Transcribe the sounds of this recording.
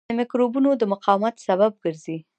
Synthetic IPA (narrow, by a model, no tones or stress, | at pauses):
əmɪkɾobunod̪əmʊqɑwmat̪saβab̚ɡəɾzi